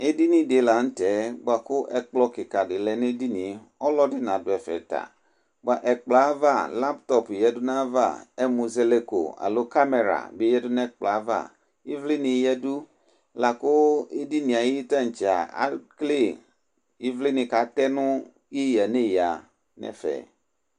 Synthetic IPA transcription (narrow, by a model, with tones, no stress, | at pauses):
e˦di˦nĩ˨de˨la˨n̩˦tɛ˨˦ba˨kʊ˦ʔɛ˨k͡plɔ˦kɪ˨ka˨dɪ˨lɛ˨ne˦di˦nĩ˨ | ɔ˦lɔ˦dɪ˦nã˨dʊ˨ɛ˨fɛ̰˨ta̰˨ | ɡ͡ba˨ʔɛ˨k͡pla˨˦va˦˨la˦ptɔ˦pjɛ˨dʊ˦nã˦va˦˨ɛ˦mu˨ze˦le˦ko̰˨a̰˨lo˦ka˦me˨ɾa̰˨be˦jɛ˦dʊ˦nɛ˦k͡pla˨˦va̰˦˨ | i˦vlɪ˦nĩ˨˦jɛ˦du˦ | la˨kʊ˦e˦di˦nĩ˨a˨ji˦ta˦n̩˨t͡ʃi˨a̰˨a̰˦kle˦˨ | i˦vlɪ˦nɪ̃˨ka˨˦tɛ˦nʊ̃˦ | ji˦ja˨ne˦˨ja˨ | nɛ̰˦fɛ̰˨